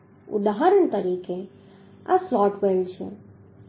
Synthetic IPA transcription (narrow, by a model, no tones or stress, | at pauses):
ʊ̰d̪aɦəɾəɳ̃t̪əɾike | a̰slɔʈʋelt͡ʃʰḛ